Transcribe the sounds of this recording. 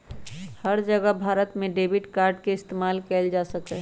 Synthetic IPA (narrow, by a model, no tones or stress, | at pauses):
həɾd͡ʒəɡəbʱaːɾət̪mẽɖeːbɪʈkaːɾɖkeɪst̪eːmaːlkɛːld͡ʒaːsəkeɦ